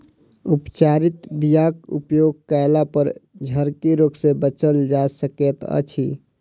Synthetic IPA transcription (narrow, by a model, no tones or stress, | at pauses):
upt͡ʃaɾit̪bijakṵpjoːɡ̚kaɪlapəɾd͡ʒʱəɾkiɾoksebət͡ʃəld͡ʒasəket̪ə̰t͡ʃʰi